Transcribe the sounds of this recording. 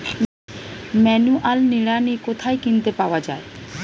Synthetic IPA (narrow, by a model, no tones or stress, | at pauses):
mɛnuʔalniɽanikot̪ʰaekint̪epaoad͡ʑa̰e